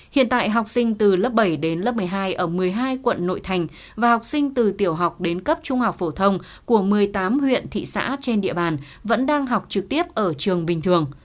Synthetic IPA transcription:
hḭ˧˨ənt̪a̰ː˧˨jɦa˨˩wk͡p̚sï˧ŋ̟t̪ɨ˨˩lə˦˥p̚ɓə˧˩jɗe˨˦nlə˦˥p̚mɨ˨˩jɦaː˧jʔəː˧˩mɨ˨˩əjɦaː˧jkwə̰˧˨nːo̰˧˨jt̪ʰa˨˩jŋ̟ | vaː˨˩ha˨˩wk͡p̚sï˧ŋ̟t̪ɨ˨˩t̪i˧˩əwɦa˨˩wk͡p̚ɗe˨˦nkə˦˥p̚t͡ɕʊ˧ŋ͡mha˨˩wk͡p̚fo˧˩t̪ʰə˧wŋ͡m | ku˧˩əmɨ˨˩əjt̪aː˨˦mhwḭ˧˨ənt̪ʰḭ˧˨sa̰ː˧˥t͡ɕe˧nɗḭ˧əɓaː˨˩n | və̰˧˥nɗaː˧ŋɦa˨˩wk͡p̚t͡ɕɨ˨˩k̚t̪i˦˥əp̚ʔəː˧˩t͡ɕɨ˨˩əŋɓï˨˩ŋ̟t̪ʰɨ˨˩əŋ

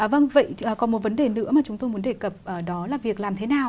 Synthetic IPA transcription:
ʔːvə˧nvə̰˧˨jʔəː˨˩kɔ˨˩nmo˨˩t̚və˨˦nɗe˨˩nɨ̰˧˥maː˨˩t͡ɕʊ˨˦ŋ͡mt̪o˧jmu˨˦ənɗe˧˩kə˨˩p̚ʔəː˨˩ɗɔ˨˦laː˨˩vi˨˩ək̚laː˨˩mt̪ʰe˨˦naː˨˩w

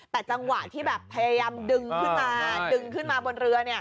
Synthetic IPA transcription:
t̪ɛː˨˩t͡ɕa˧ŋwa˨˩t̪ʰiː˥˩bɛː˨˩pʰːa˧jaː˧jaː˧mdɯ˧ŋkʰɯ˥nmaː˧dɯ˧ŋkʰɯ˥˩nmaː˧bo˧nɾɯ˧ɐni˥˩ɐ

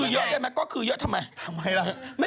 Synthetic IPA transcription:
jəː˧˦˥ɗɛː˧˩mɛ˨˦˥kɔː˨˥kʰɯː˧˩jəː˧˥t̪ʰa˧ma˧˩jt̪ʰa˧˦mha˧ja˧mə˦˥

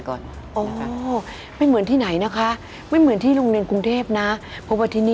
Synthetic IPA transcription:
kɔ̰ː˨˩ | ʔɔː˩ | ma˥˩jmɯ˨˩˦ənt̪ʰiː˥˩na˩˦jna˦˥kʰa˦˥ | ma˥˩jmɯ˩˦ənt̪ʰiː˥˩ɾoː˧ŋɾi˧ənku˧ŋt̪ʰeː˥˩p̚na˦˥ | pʰɔ˦˥pwaː˥˩t̪ʰiː˥˩niː˥

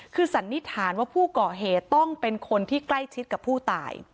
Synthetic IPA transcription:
kʰɯː˧sa˨˩˦nːi˦˥t̪ʰaː˩˦nwaː˥˩pʰuː˥˩kɔː˨˩ɦeː˨˩t̪ːɔ˥˩ŋpe˧nkʰo˧nt̪ʰiː˥˩kla˥˩jt͡ɕʰi˦˥t̪̚ka˨˩pʰːuː˥˩t̪a̰ː˨˩j

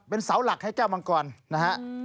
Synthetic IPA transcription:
pe˧nsa˩˦wla˨˩k̚ha˥˩jt͡ɕɛː˥˩wma˧ŋkɔː˨˩nna˦˥kʰa˦˥ʔ

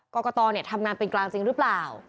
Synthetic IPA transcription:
kɔː˧kɔː˧t̪ɔː˧ni˥˩ɐt̪ʰa˧mŋaː˧npe˧nklaː˧ŋt͡ɕi˧ŋɾɯː˦˥plaː˨˩w

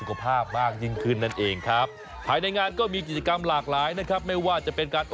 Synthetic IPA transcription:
u˨kʰa˧pʰaː˥˩p̚maː˥˩k̚ji˥˩ŋkʰɯ˥˩nːa˥˩nʔeː˧ŋkʰɾa˦˥p̚ʰː | aː˧jna˧jŋaː˧nkɔː˥˩miː˧k̬i˨˩t̪̚t͡ɕa˧ka˧mlaː˨˩k̚laː˨˦˥jna˦˥kʰɾa˦˥p̚ma˥˩jwaː˥˩t͡ɕa˨˩pe˧nkaː˧nʔ

